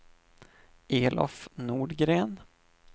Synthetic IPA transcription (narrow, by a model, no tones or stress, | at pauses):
ʔeːlʔɔ̰fnuːɖɡɾeːn